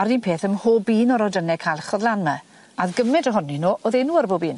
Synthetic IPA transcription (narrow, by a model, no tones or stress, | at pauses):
aɾiːnpʰeːθəmhoːbiːnɔɾɔdənɛkʰajlˠχɔðlˠanmɛ | aðɡəmɛdəɦʊninoːʔoðɛnuːəɾboːbiːn